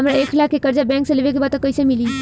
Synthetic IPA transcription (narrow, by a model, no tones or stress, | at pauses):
əmɾaeːkʰlakʰːekəɾd͡ʒabɛ̃ːŋkseleʋek̬ebat̪õkːəɪsemiliː